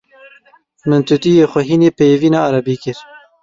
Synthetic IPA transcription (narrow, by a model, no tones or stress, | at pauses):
mɨnt̪ʰut̪ijeːxʷɛɦiːneːpeviːnɑːʔːɾɑbiːkɪɾ